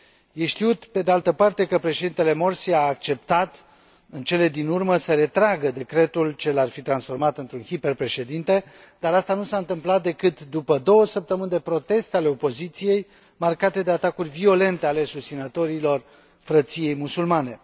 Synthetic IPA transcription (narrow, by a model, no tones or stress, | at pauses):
jeʃt̪iut̪pe̞d̪e̞alt̪əpart̪e̞kəpɾe̞ʃed̪int̪e̞le̞mo̞rsiaːk̚t͡ʃe̞p̚t̪at̪ | ɨnt͡ʃe̞le̞d̪inurməsəɾe̞t̪ɾaɡəd̪e̞kɾe̞t̪ult͡ʃe̞larfit̪ɾansfo̞rmat̪ɨnt̪ɾunhiperpɾe̞ʃe̞d̪int̪e̞ | d̪aɾast̪anusaɨnt̪ɨmplat̪̚d̪e̞kɨt̪d̪upəd̪o̞wəsəp̚t̪əmɨnd̪e̞pɾo̞t̪e̞st̪eale̞o̞po̞zit̪sije̞j | markat̪e̞d̪e̞at̪akurʲvio̞le̞nt̪e̞ale̞sust̪sinət̪o̞ɾilo̞r | fɾət̪sije̞jmusulmane̞